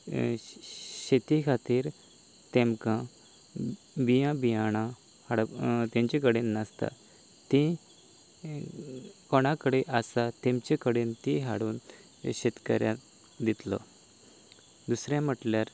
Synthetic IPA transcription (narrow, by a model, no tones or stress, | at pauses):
ɕet̪ikʰat̪iːɾ | t̪ẽmkã | bijãbijaɽ̃ã | haɽt̪ẽmt͡ɕekəɽenːəst̪a̰ | t̪ĩ | kɔɽ̃ãkəɽeʔasat̪ẽmt͡ɕekəɽent̪ĩɦaɽuːn | ɕet̪kə̰ɾja | d̪it̪lɔ̰ | d̪usɾjãm̤əʈljaɾ